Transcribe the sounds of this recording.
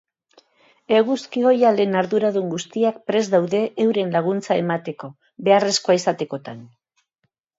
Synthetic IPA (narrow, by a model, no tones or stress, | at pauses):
eɣuskio̞jale̞ːnaɾðuɾaðuŋɡust̪iakpɾe̞zðawðe̞ʔːwɾe̞nlaɣ̞unt͡sae̞mat̪e̞ko̞ | be̞are̞skoaisat̪e̞ko̞t̪an